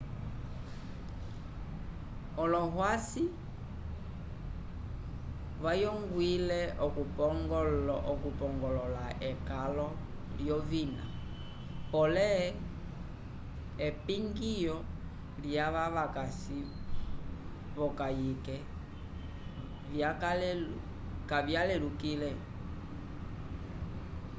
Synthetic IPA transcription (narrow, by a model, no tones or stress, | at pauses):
ɔlɔɦwasi | βajɔŋɡwilɛɔkupɔŋɡɔlʔɔkupɔŋɡɔlɔlaɛkalɔ | ljɔvina̰ | pɔlɛ | ɛpiŋɡijɔ | ljaβaβakasi | βɔkajikɛ | jak | kavjalɛlukilɛ